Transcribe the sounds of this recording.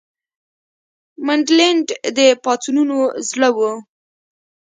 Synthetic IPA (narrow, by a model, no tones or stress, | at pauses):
maɳɖleɳɖd̪əpɑt̪ununozləwu